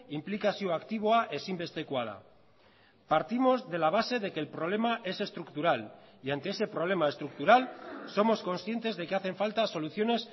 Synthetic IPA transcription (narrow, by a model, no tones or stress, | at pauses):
implikasioakt̪iβ̞oaʔe̞simbe̞st̪ekwaða̰ | paɾt̪imo̞zðe̞laβ̞ase̞ðe̞ke̞ːlpɾoβ̞le̞maʔe̞se̞st̪ɾukt̪uɾaliant̪eese̞pɾoβ̞le̞mae̞st̪ɾuk̚t̪uɾalso̞mo̞sko̞nsθje̞nt̪e̞zðe̞keaθe̞ɱfalt̪aso̞luθjo̞ne̞s